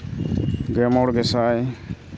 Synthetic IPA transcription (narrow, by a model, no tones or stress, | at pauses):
ɡɛmɔɽɡɛsaj